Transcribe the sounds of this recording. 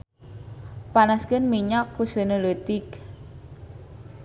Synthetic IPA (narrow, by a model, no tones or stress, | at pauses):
panaskənmiɲakːusənələt̪ɪk